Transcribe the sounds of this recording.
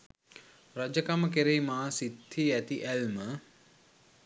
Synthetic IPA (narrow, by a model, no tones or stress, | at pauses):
rəd͡ʒəkaməkeɾejmaːsit̪ːiæt̪iʔælmə